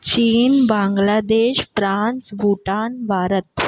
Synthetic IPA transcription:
t͡ɕiːnbãŋɡlad̪eːɕfɾãnsbʱuʈanbʱaɾət̪

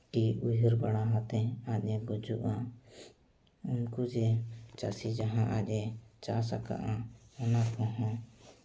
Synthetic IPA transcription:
ʈiujd͡ʒəɾbaɽaɦãt̪ɛac̚ˀɛbɔd͡ʒuʔa | unkud͡ʒɛt͡ʃasid͡ʒaɦãʔaʔɛt͡ʃasaka̰ʔaɔnakɔ̃ɦɔ̃

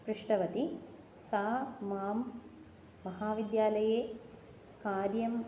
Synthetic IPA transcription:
pɾɪʂʈɐʋɐt̪i | saːmaːmː | ɐɦaːʋid̪jaːlɐjeː | kaːɾjɐm

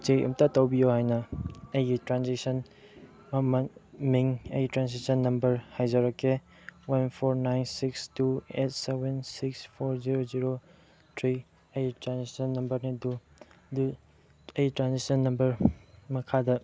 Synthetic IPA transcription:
t͡ʃejʔɐ̰mtatɐwbijohajnɐɐjɡitɾansisɐn | mɐmɐnmiŋɐjitɾansisɐnːɐmbɐɾhajzɐɾɐkːe | wɐnpʰoɾnajnsikstuḛt̚sebensikspʰoɾziɾoziɾo | tʰɾi | ɐjitɾansisɐnːɐmbɐɾnidu | du | ɐjitɾansisɐnːɐmbɐɾmɐkʰadɐ

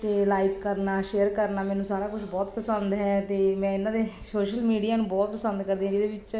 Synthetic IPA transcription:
t̪eːlaːɪkːəɾnaːʃeːəɾkəɾnaːmɛːnũːsaːɾaːkʊʃʰbɔːt̪pəsənd̪ɦɛːt̪eːmɛ̃ːɪnãːd̪eːsoːʃəlmiːɖijaːnũːbɔːt̪̚pəsənd̪kəɾd̪eːɦɛ̃d͡ʒɪd̪eːbɪt͡ʃ

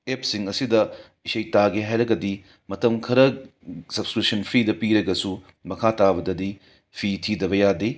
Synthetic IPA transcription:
ep̚siŋɐsidɐ | isɐjtaɡiɦajɾɐɡɐdi | mɐtɐmkʰɐɾɐsɐbskɾip̚sɐnpʰidɐpiɾɐɡɐsu | mɐkʰatabɐdɐdi | pʰitʰidɐβɐjadi

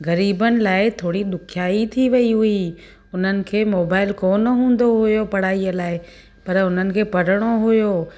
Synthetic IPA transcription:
ɣɐɾiːbənɪ̆laːɪt̪ʰoːɽiɗ̪ʊkʰjaːit̪ʰiʋɐiɦʊi | ʊn̤ənɪ̆kʰeːmoːbaːɪlkoːnəɦũːn̆d̪oɦʊjopɐɽ̤aːiəlaːɪ | pɐɾʊn̤ənɪ̆kʰeːpɐɽ̤əɽ̃oɦʊjoː

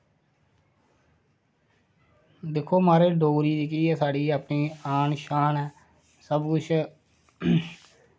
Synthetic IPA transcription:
d̪ɪkʰːoːmaːɾeːɖoːɾiːd̪iːkiːɛːsaːɖiːaːpɳiːaːɳʃaːnɛː | səbkʊt͡ʃʰ

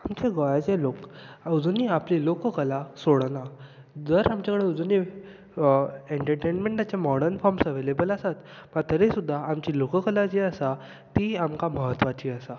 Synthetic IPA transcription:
amt͡ɕeɡɔjat͡ɕelokəwd͡zoniːaplilokəkəlasoɽna | d͡zəɾamt͡ɕakəɽed͡zuni | eɳʈəɾʈenmẽɳʈat͡ɕamɔɽəɾnfɔɾmsəʋelebəlasat̪məɡt̪əɾesud̪ʱːaamt͡ɕiːlokəkəlat͡ɕeəsa | t̪iamkaməɦət̪ʋat͡ɕiːəsa

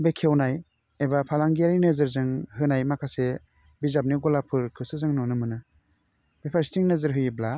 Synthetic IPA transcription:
bekʰewnaj | ebapʰalaŋɡiaɾinɯzɯɾzɯŋɦɯnajmakʰase | bizap̚niɡɔlapʰɯɾkʰɯsɯzɯŋnɔnɯmɯnɯ | b̥epʰaɾistiŋnɯzɯɾɦɯjibla

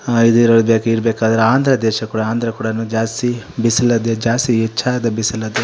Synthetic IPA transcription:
id̪uɾɐɽbeːkeiɾbeːkaːd̪ɐɾeaːnd̪ʱɾɐd̪ɛːʃɐkuːɽɐaːnd̪ɾɐkuːɽɐnud͡ʒaːst̪ibisilːɐd̪ed͡ʒaːst̪iɛt͡ʃːʰaːd̪ɐbisilɐd̪e

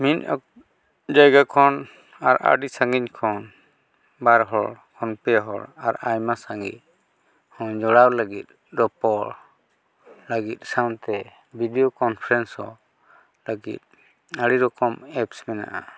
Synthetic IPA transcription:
mina̰k | d͡ʒajɡakʰɔn | aɾa̰ɖisaŋɡiɲkʰɔn | baɾɦɔɽkʰɔnpɛɦɔ̰ɽaɾajmasaŋɡḭt̪̚ | hɔ̃d͡ʒɔɽawlaɡit̪̚ | ɾɔpɔɾ | ləɡit̪̚ˀsawnt̪ɛ | bʱidijɔkɔnpʰɾɛnsɔ̰ | laɡḭt̪̚ | aɽiɾɔkɔmɛpsmɛna̰ʔa

